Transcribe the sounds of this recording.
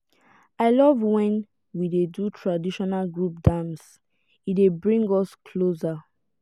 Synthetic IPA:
aɪlɔvwɛ̃n | widedutʰɹadiʃɔnalɡɹup̚dãms | idebɹĩŋɡɔskʰloza

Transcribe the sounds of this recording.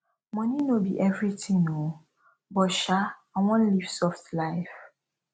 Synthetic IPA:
mɔ̃ninobḭʔɛvɹitʰĩŋno | bɔʃaawɔ̃nliv̥sɔftlaɪf

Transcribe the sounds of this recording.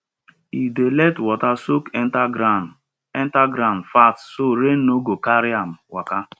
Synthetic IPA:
idelɛtwɔtasokt | ɛntaɡɾanfatsoɾen̩oɡokaɾiam̩waka

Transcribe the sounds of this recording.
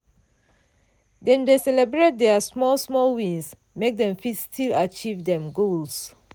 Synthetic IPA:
dɛ̃ndesɛlɛbɹet̚dɛasmɔlsmɔlwĩns | mek̚dɛ̃mfitstʰilat͡ʃivdɛ̃mɡols

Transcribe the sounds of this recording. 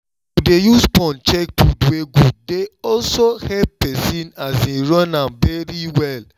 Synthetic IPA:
udejuspɔ̃nt͡ʃek̚pudweɡudeɔlsohɛppɛsĩnasĩɹɔ̃nãvɛɾiwɛl

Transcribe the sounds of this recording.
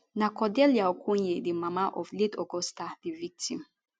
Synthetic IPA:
nakɔdɛljaokʰuɲedimamaʔɔfledɔɡɔstadivik̚tʰḭm

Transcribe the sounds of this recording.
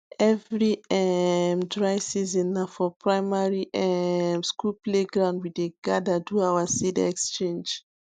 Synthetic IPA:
ɛvɹiɛmdɹajsizĩnːafɔpʰɹaɪmaɹiʔɛmskulpleɡɹãʊ̃ndwiðeɡadaduawəsidɛkst͡ʃẽnd͡ʒ

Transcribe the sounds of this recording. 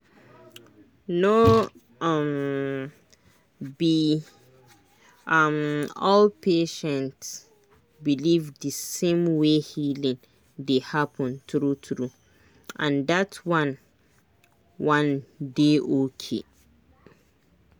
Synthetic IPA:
no | m | bi | amɔlpeʃɛ̃nts | bilivdəsẽmwehilĩŋ | dehapʰɔ̃ntɹutɹu | ʔãndatwãn | wãndeʔokʰḛ

